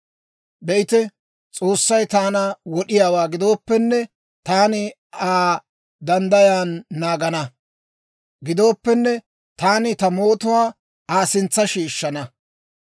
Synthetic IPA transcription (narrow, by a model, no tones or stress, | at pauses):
bɛʔɪt̪ɛ | t͡sʼoːsːɐjt̪aːnɐwɔɗɪjaːwaːɡɪd̪o̞ːpːɛnːɛ | t̪aːnɪ | aː | d̪ɐnd̪ɐjaːnːaːɡɐnɐ | ɡɪd̪o̞ːpːɛnːɛ | t̪aːnɪt̪ɐmoːt̪ʊwaː | aːsɪnt͡sːɐʃiːʃːɐnɐ